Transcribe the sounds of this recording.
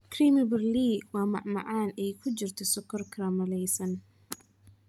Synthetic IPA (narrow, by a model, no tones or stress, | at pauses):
kʰɾimɪbɪrliːwɑːmɑ̰ʕmɑ̰ʕaːnɛjkʰʊd͡ʒɪrt̪ʰɔsɔkʰːɔrkʰɐɾamɐlɛjsɐn